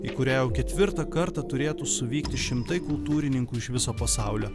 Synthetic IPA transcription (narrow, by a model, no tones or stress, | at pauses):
iːkʊɾʲæːjɛʊkʲɛt̪ʲʋʲɪɾt̪ɐkɐɾt̪ɑt̪ʊɾʲeːt̪uːsʊʋʲiːkt̪ʲɪʃʲɪmt̪ɐɪkʊlˠt̪uːɾʲɪnʲɪŋkuːɪʃʋʲɪsoːpɐsɑˑʊlʲoː